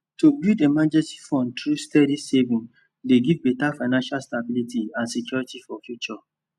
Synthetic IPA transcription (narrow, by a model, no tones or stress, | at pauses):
tobildemad͡ʒɛ̃nsi̥fɔ̃ntɹustɛdisevĩn | leɡivbetafaɪnãnʃalstabilitiãnsɛkjɔɹitifɔfjut͡ʃɔ